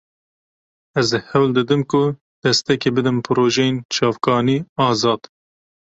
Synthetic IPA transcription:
ɛzhɛwld̪ɨd̪ɨmkʊ | d̪̥ɛst̪ɛkebɨd̪ɨmpʰɨɾoːʒɛjent͡ʃʰɑːvkɑːniːɑːzɑːd̪̥

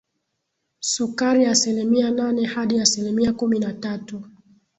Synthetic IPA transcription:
sukaɾiasilimiananɛhaɗiasilimiakuminatatu

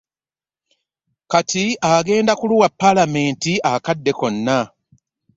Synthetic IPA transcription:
katiaɡe̞ːndakuluwapːalame̞ːntiakadːe̞ko̞nːa

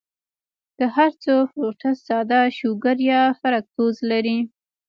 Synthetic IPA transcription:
d̪̥əhaɾt͡sofɾoʈassɑd̪ɑʃoɡəɾjɑfaɾak̚t̪ozlaɾi

